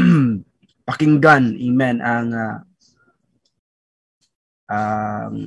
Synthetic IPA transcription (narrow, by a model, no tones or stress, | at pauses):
pakɪŋɡanɪŋmɛnaŋa | ʔaŋ